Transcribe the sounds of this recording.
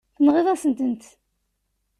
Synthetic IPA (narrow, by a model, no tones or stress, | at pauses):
θənʁiðˤɑsənt̪ənt̪